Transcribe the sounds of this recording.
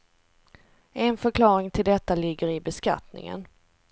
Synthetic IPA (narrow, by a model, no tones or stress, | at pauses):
ʔɛnfœɾkʰlɑːɾɪŋt̪ʰɪld̪ɛt̪ːalɪɡːəɾɪbɛska̰t̪nɪ̰ŋə̰n